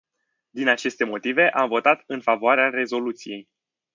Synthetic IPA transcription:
d̪inat͡ʃe̞st̪e̞mo̞t̪ive̞ʔamvo̞t̪at̪ɨnfavoaɾeare̞zo̞lut̪sije̞j

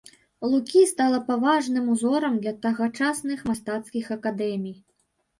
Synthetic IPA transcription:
lˠukʲist̪alˠɐpavaʐnɨmuzɔɾɐmd̪lʲɐt̪ɐɣat͡ʂasnɨxmast̪at̪skʲixɐkad̪ɛmʲij

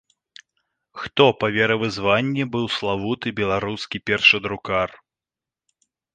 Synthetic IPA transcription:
xt̪ɔpɐvʲɛɾɐvɨzvanʲːɛbɨwslˠavut̪ɨbʲɛlˠaɾuskʲipʲɛrʂɐd̪ɾukar

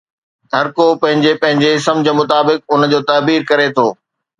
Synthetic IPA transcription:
ɦɐɾkopɐ̃ɦɪ̃ɲd͡ʑepɐ̃ɦɪ̃ɲd͡ʑeɪsəmd͡ʑeːmʊt̪aːbɪk̚ʊnd͡ʑoːt̪ɐːbiːɾkɐɾet̪ʰoː

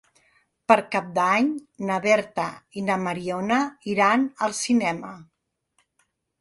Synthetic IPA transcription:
pəɾkap̚d̪aɲnəβɛɾt̪əinəməɾionəiɾanəlˠsinɛmə

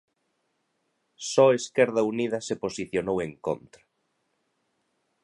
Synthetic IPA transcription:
sɔeskɛɾðɐuniðɐseposiθjonoweŋko̰nt̪ɾɐ

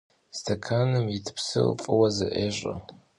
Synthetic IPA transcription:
stʰɐkʰaːnɨmjɪtʰɨ̥psɨ̰fʼɨwɐzɨʔeːɕʼɐ̰

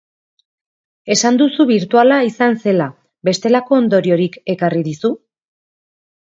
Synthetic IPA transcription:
e̞sand̪usuβiɾt̪ualaisanse̞la | be̞st̪e̞lako̞ːnd̪o̞ɾio̞ɾike̞kariðisu

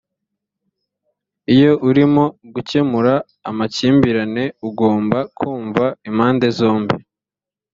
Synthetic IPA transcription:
ijo̞ʔuɾimo̞ɡuce̞muɾaː | maciːmbiɾane̞uɡo̞ːmbakʰuːɱvaimaːnde̞zo̞ːmbi

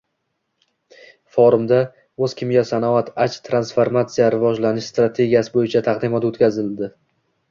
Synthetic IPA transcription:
foɾʊmd̪a | ɵz̥kʲʰɪmɡʲasanɒat̪ʰat͡ʃt̪ʰɾansfaɾmat̪sijaɾɪvɒd͡ʒlanɪʃst̪ɾat̪ʰe̞ɡʲijasɪbojɪt͡ʃʰat̪ʰɑqd̪ɪmɒt̪ot̪kʲazɪld̪ɪ

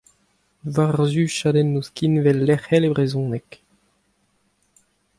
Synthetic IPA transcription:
vaʁzyʃadɛnːuskinvɛlːɛχɛlebʁezɔ̃ːnɛk

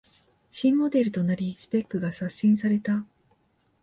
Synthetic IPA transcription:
ɕĩmːo̞d̪e̞ɾɯ̟t̪o̞naɾʲisɨ̥pe̞kːɯ̟ɡasaɕĩɰ̃saɾe̞t̪a

